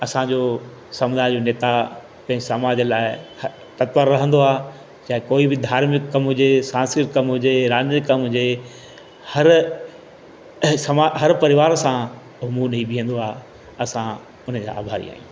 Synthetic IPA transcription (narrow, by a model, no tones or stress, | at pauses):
ɐsãd͡ʑoː | sɐmʊd̪ʱaːɪd͡ʑoneːt̪a | kɐ̃ɦɪ̃ɲɪsamaːd͡ʑəlaːɪ | t̪ɐt̪ʋəɾːɐɦə̃n̆d̪oaː | t͡ɕaːɦɪ̃koːibɪd̪ʱaːɾmɪkːɐmɦʊd͡ʑesãːnsɪɾkɐmɦʊd͡ʑeɾaːnɪkːɐmɦʊd͡ʑe | hɐɾ | sɐmaɦɐɾpɐɾɪʋaːɾsã | ʊɦmũnɐibiɦə̃nd̪oaː | ɐsã | ʊn̤ə̃d͡ʑa̰ːa̰ːbʱaːɾḭa̰ːɦḭ̃